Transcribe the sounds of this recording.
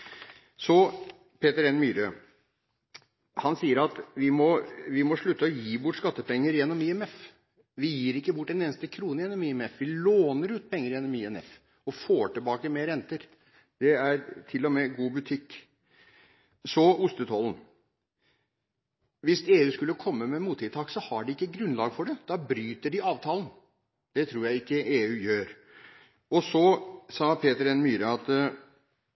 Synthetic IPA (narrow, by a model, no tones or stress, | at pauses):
sɔ | pʰeːt̪əɾɛnːmyːɾø | hɑnsiːəɾɑt̪ʋɪmɔʋɪmɔʂɭʉt̪ːəɔjiːbʊʈːʂkɑt̪ːəpɛŋːəɾjɛnːɔmɪɛmɛf | ʋɪjiːɾɪkːəbʊʈːɛneːnəst̪əkʰɾuːnəjɛnːɔmiɛmɛfʋɪloːnəɾʉːt̪̚pʰɛŋːəɾjɛnːɔmiɛnɛ̰f | ɔfoːʈəbɑːkəmeːɾɛnt̪əɾ | d̪̥ɛæɾt̪ʰɪlːɔmɛɡuːbʉt̪ʰɪkː | sɔʊst̪ət̪ʰɔlən̩ | ʋɪseːʉːskʉlːəkʰɔmːəmɛmuːt̪ʰːɪt̪ʰɑːksɔhɑɖɪɪkːəɡɾʉnlɑːɡfɔɖɛd̪̥ɑbɾyːt̪əɖɪɑːʋt̪ʰɑːlən | d̪̥ɛt̪ʰɾuːɾjæɪɪkːəʔeːʉːjøːɾ | ɔsɔsɑːpʰeːt̪əɾɛnmyːɾəɑt̪